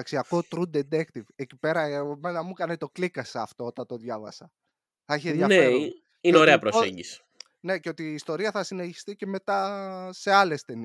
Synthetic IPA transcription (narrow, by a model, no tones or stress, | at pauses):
ɐksiɐko̞t̪ɾud̪ed̪ekt̪ivecipe̞ɾɐmenɐmukɐnet̪o̞klikɐsɐːft̪o̞ot̪ɐnt̪o̞ðʝɐvɐ̰sɐ | θɐçeðʝɐe | ineo̞ɾe̞ɐpɾossḛɲɟisi̥ | ne̞ceo̞t̪iːst̪o̞ɾiɐθɐsineçi̥st̪ice̞me̞t̪ɐse̞ɐle̞st̪e̞ni